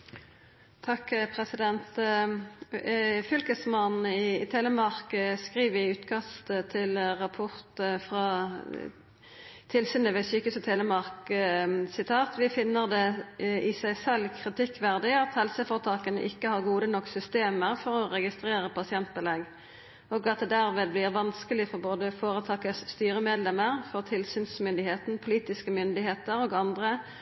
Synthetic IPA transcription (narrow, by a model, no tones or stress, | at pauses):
t̪ʰɑkpʰʁɛsɪd̪ɛnt̪ | fʏlkəsmɑnɪt̪ʰɛləmɑʁkəskʁiːʋʋɪʉːt̪kʰɑst̪ət̪ʰɪlʁɑpʰʊʁt̪əfʁɑ | t̪ʰɪlsyːnəʋɛsyːkəst̪ʰɛːləmɑʁk | sɪt̪ʰɑːt̪ʋɪfɪnːəʁd̪ɛɪsæɪsɛlːkʰʁɪt̪ʰɪkːʋæʁd̪ɪɑt̪hɛlsəfoːʁət̪ʰɑːkənə̰ʔɪkːəhɑʁɡuːd̪ənɔksʏst̪eːməʁfɔʁɔʁɛɡɪst̪ʁeːɾəpʰɑsɪɛnt̪̚bɪlɛɡ | ɔɡɑt̪̚d̪ɛd̪æʁmeːd̪blɪʁʋɑnskəlɪfɔʁboːd̪əfoːɾət̪ʰɑːkəsːt̪yːɾəmeːd̪lɛməʁfɔʁt̪ʰɪlsyːnsmʏnd̪ɪheːt̪n̩pʰʊliːt̪ɪskəmʏnd̪ɪheːt̪əɾoːɡɑnd̪ʁə